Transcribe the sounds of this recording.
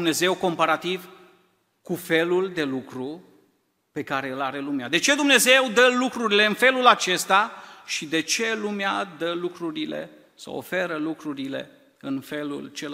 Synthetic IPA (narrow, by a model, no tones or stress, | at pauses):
mne̞ze̞wko̞mpaɾat̪iv | kufe̞luld̪e̞lukɾu | pe̞kaɾe̞ɨlaɾe̞lumead̪e̞t͡ʃe̞d̪umne̞ze̞wd̪əlukɾuɾile̞ɨnfe̞lulat͡ʃe̞st̪aʃid̪e̞t͡ʃe̞lumead̪əlukɾuɾilḛ | sə̰wo̰fe̞ɾəlukɾuɾile̞̰ | ɨnfe̞lṵlt͡ʃe